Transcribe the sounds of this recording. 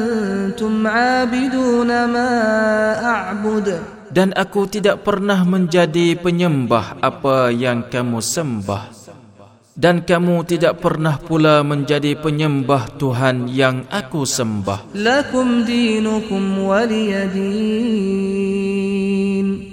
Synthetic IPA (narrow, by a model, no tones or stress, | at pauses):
nt̪ʊmʕaːbɪd̪uːnamaːʔaʕbʊd̪ | danʔakut̪idaʔ̚pərnahmə̃ɲd͡ʒadipəɲəmbahʔapajaŋkamũsəmba̰h | dankamũt̪idaʔ̚pərnahpulamə̃ɲd͡ʒadipəɲəmbaht̪uɦanjaŋʔakusəmba̰hlakʊmd̪iːnʊkʊmwalɪjad̪iː | n